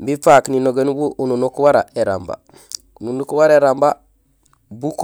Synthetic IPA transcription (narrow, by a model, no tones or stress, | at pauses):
mbifakninoɡenbuʔununukwaɾa̰eɾa̰mba̰ | ununukuwaɾeɾamba | buk